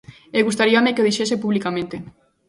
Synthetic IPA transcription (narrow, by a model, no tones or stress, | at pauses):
eɣust̪aɾiamekeoðiʃesepuβlikamẽnt̪e